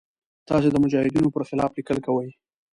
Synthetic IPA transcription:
t̪ɑs̬ed̪əmʊd͡ʒɑhɪd̪inopəɾxɪlɑflikəlkawəj

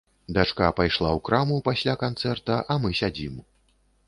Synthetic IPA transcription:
d̪at͡ʂkapajʂlˠawkɾamupasʲlʲakant̪sɛrt̪ɐʔɐmɨsʲad͡zʲim

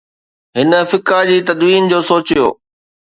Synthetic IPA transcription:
ɦɪnə̆fɪkad͡ʑiːt̪ɐd̪ʋiːnd͡ʑoːsoːt͡ɕijo̰ː

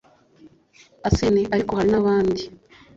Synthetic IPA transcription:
asiniʔaɾikohaɾinaβaːndi

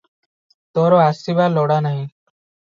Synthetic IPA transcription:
t̪ɔɾɔasibalɔɽanaɦĩ

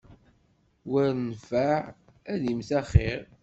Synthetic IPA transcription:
wæɾnfæʕ | æðimθæχeɾ

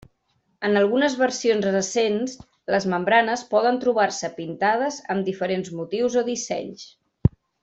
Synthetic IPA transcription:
ənəlˠɣunəzβəɾsionzrəsens | ləzməmbɾanəspɔðənt̪ɾuβ̞arsəpint̪að̞əzəmd̪ifəɾenzmut̪iwzoðisɛ̰ɲs

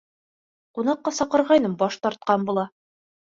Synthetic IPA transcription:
qunɑqːɑsɒqɤ̆ɾʁɑjnɤmbɒʃt̪ɒɾt̪̚qɑnbulˠɑ

